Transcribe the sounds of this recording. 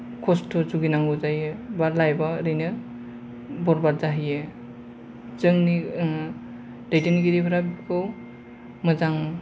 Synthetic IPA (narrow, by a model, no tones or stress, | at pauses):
kʰɔstʰɔzuɡinaŋɡuzajɯbaɾlajbaɾɯjnɯ | bɔɾbaɾzaɦijɯ | zɯŋni | dajteniɡiɾipʰɾabkɯw | mɯzaŋ